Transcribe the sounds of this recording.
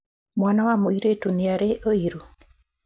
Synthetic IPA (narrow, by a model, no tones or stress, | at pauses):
mwanawamoiɾetuniaɾeʔoiɾu